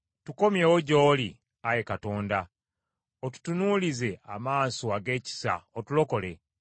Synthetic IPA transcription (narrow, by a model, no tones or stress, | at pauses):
tuko̞mjeːwoɟo̞ːli | aje̞kato̞ːnda | otu̥tunulize̞amaːsoaɡe̞ːci̥sa̰otulo̞ko̞le̞